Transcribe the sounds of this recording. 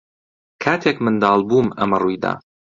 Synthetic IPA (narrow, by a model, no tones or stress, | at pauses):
kʰaːt̪ʰeːkmɨnd̪ɑːlˠbuːmɐ̰mɐrujd̪a̰ː